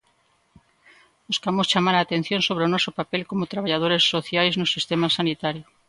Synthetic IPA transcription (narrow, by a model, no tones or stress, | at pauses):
buskamost͡ʃamaɾaːt̪ẽn̟θjõnsoβ̞ɾeonɔsopapelkomot̪ɾaβaʎað̞oɾesːoθjajznʊsist̪emasanit̪aɾjo